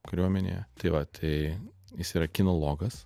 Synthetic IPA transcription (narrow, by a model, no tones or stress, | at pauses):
kɐɾʲuɔmʲɛnʲḛjɛt̪ɐɪʋɐt̪ʰɐɪjɪsiːɾɐkʲɪnolˠoːɡɐs